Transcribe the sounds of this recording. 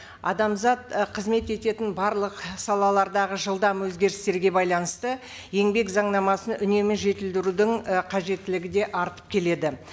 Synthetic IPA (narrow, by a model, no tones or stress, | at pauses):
ɑ̰d̪ɑmzɑt̪qʰəzme̞t̪e̞t̪e̞t̪ɪnbɑɾlˠəqsɑlˠɑlˠɑɾd̪ɑʁəʒəlˠd̪ɑmwɵzɡʲe̞ɾɪst̪e̞ɾɡʲe̞bɑjlˠɑnəst̪ə | je̞ŋbe̞kzɑɴnɑmɑsənʏne̞mɪʒe̞t̪ɪld̪ɪɾud̪ɪɴqʰɑʒe̞t̪ːɪlɪɡʲɪd̪e̞ʔɑɾt̪ə̥p̚kʲʰe̞le̞d̪ɪ